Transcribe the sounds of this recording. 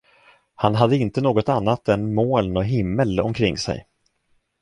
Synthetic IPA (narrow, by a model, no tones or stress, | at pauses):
hanɦad̪ːəɪnt̪ənoːɡɔt̪anːat̪ɛnmoːlnɔɦɪmːəlɔ̰mkʰɾɪŋːsɛ̰j